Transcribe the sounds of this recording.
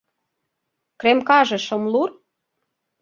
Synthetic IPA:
kremkɑʒĕʃomlur

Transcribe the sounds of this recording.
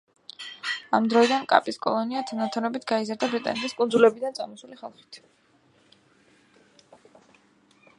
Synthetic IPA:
amd̪ɾɔid̪ankʼa̰pʼiskʼɔ̰lˠɔniat̪ʰanat̪ʰɔnɔbit̪ʰɡaizaɾd̪abɾit̪ʼa̰nɛt̪ʰiskʼundzulɛbid̪ansʼa̰mɔsuliχa̰lˠχi̥t̪ʰ

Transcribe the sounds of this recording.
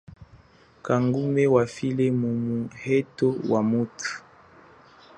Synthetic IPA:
kaŋɡumɛwafilɛmumuhɛtowamutʰu̥

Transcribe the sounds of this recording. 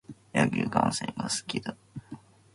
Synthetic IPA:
jaɡʲikãɰ̃sḛ̃ŋɡasɨ̥kʲid̪a

